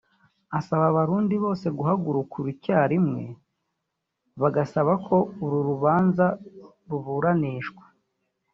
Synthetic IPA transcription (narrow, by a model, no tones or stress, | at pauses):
asaβaβaɾuːndiβo̞ːse̞ɡuɦaɡuɾukʰuɾicaːɾimŋe̞̰ | βaɡasaβakʰo̞uɾuɾuβaːnza | ɾuβuːɾaniːʃɡwḁ